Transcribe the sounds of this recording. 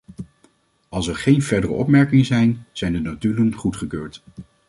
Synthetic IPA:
ɑlˠsɛɹχejnvɛɹdərə̰ɔpmɛɹkɪŋəzɛjnz̥ɛjndənatylənχutχəkøːɹt

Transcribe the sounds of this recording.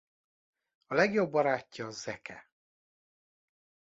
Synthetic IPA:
ɒlɛɡjo̞bːɒɾaːcːɒːzɛkʰɛ̰

